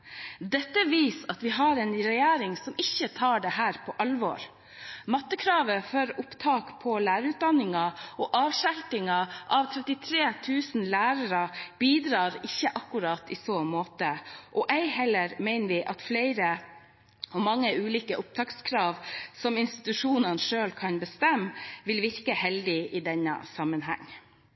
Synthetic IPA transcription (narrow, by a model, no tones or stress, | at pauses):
d̪ɛt̪ːəʋiːsɑt̪ʋɪɦɑɾɛnɾɛjæːɾɪŋsɔmɪçːət̪ʰɑːɖɛɦæːɾpʰɔʔɑlʋɔ̰ːɾ | mɑt̪ːəkʰɾɑːʋəfœɾʊpt̪ʰɑːkpʰɔlæːɾʉːt̪̚d̪ɑnːɪŋɑʔɔʔɑːʋʃælt̪ɪŋɑʔɑʋt̪ʰɾɛt̪ɪt̪ʰɾeːt̪ʰʉːsn̩læːɾəɾɑb̥iːd̪ɾɑːɾɪçːəʔɑkːʉɾɑːt̪ɪsoːmoːt̪əʔɔʔæɪhɛlːəɾmæɪnəʋɪʔɑt̪flæɪɾə | ɔmɑŋːəʉːliːkəʔʊp̚t̪ʰɑːkskʰɾɑːʋsɔmɪnst̪ɪ̥t̪ʉʂuːnɑnʂøːlkʰɑnbəst̪ɛmːʋɪlʋɪɾkəhɛld̪ɪʔɪd̪ɛnːə̰sɑmənɦæ̰ŋː